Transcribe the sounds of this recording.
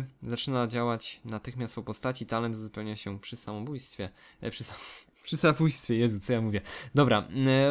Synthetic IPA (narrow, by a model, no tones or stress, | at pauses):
zat͡ʂɘnad͡ʑawat͡ɕnat̪ɘxmʲast̪pɔpɔst̪at͡ɕit̪alɛnt̪zupɛwɲaɕɛpʂɘsamɔbujst̪fʲjɛ | pʂɨsa | pʂɘsabujst̪fʲjɛjɛzut̪sɔjamuvʲjɛd̪ɔbɾa